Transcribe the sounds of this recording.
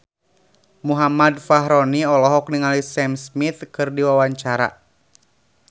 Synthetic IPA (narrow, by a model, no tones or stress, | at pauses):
muɦamadfaɦɾɔniɔlɔɦɔk̚niŋalisɛmsmiθkɨrdiwawaɲt͡ʃaɾa̰